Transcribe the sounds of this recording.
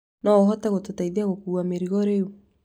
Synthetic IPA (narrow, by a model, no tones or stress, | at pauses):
naoɦɔtɛɣototaiðiaɣokuameɾiɣɔɾeo